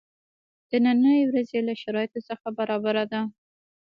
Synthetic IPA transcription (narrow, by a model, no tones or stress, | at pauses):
d̪̥ənanəjewɾazelaʃaɾɑjɪt̪osəxabaɾɑbaɾad̪a